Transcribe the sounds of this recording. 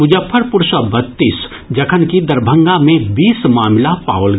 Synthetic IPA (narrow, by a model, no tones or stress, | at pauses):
mʊd͡ʒəfʰəɾpʊɾsəbɐt̪ːiːs | d͡ʒɐkʰənkid̪ɐɾbʱə̃ŋɡamẽbiːsmaːmlapa̰ːolɡ